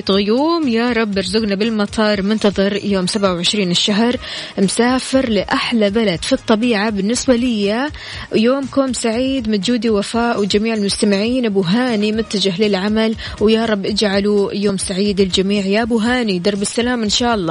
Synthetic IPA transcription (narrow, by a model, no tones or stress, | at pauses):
t̪ɣʊjuːmjaɾˤɑbːɪɾzʊɡnabɪlmɑt̪ʰˤɑːɾˤmʊnt̪ɑðˤɨɾˤjoːmsabʕawʕɪʃɾiːnɪʃːaɦɾˤmsaːfɪɾlɪʔaħlabalad̪fit̪ˤːɑbiːʕabɪnːɪsbalɪjːa | joːmkoːmsaʕiːd̪mad͡ʒuːd̪iwafaːʔwɪd͡ʒamiːʕɪlmʊst̪amɪʕiːnʔabuɦaːnimʊt̪ːad͡ʒaɦlɪlʕamal | wjaɾˤɑbːʔɪd͡ʒʕalujoːmsaʕiːd̪ɪld͡ʒamiːʕjaʔbuɦaːnid̪ɑɾˤbɪsːalaːmʔɪnʃaːʔɑlˤːɑː